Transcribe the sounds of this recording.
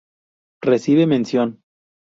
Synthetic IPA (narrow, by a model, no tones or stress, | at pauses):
resiβemẽnsjon